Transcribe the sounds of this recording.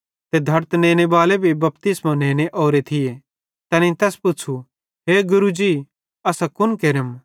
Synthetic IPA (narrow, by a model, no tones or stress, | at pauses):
t̪ed̪ʱɐɾt̪nẽːñebaːlebʱibɐpt̪ɪsmãneːñeʔoːɾet̪ʰɪje | t̪ɛːnĩt̪ɛːspʊt͡ʃʰu | ɦeːɡʊɾud͡ʒiː | ɐsakʊnkeɾəm